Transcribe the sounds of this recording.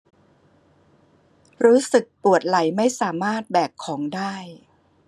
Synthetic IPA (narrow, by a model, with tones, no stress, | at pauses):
ɾuː˦˥sɯ˨˩k̚pu˨˩ət̪̚la˩˦jma˥˩jsaː˩˦maː˥˩t̪̚bɛː˨˩kkʰːɔː˩˦ŋdaː˥˩j